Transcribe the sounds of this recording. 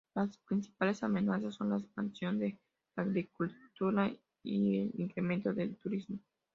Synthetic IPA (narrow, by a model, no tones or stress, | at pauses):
laspɾinsi̥palesamenasasːo̞nlaekspansjo̞nd̪e | aɣɾikult̪uɾa | ielḭŋkɾemẽnt̪oðelt̪uɾizmo